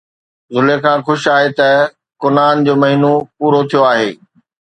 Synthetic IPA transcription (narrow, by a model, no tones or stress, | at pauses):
zʊlekʰãːxʊʃaːɦet̪ɐ | kʊnaːnd͡ʑoːmɐɦiːnopuːɾot̪ʰijoaːɦḛː